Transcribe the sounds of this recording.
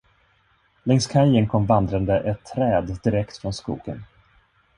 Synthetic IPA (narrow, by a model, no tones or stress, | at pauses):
lɛŋskʰajəŋkʰɔmvand̪ɾand̪əʔɛt̪ʰːɾɛːd̪d̪ɪɾɛkt̪fɾɔnskṵːɡ̥ən